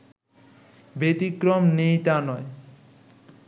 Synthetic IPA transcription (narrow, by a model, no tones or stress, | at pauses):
bet̪ikɾɔmnejt̪anɔe